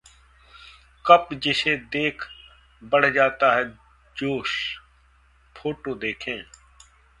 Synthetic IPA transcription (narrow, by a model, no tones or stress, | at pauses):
kəpd͡ʒɪseːd̪eːkʰ | bəɽ̤d͡ʒaːt̪aːɦɛː | d͡ʒoːs | pʰoːʈoːd̪eːkʰẽː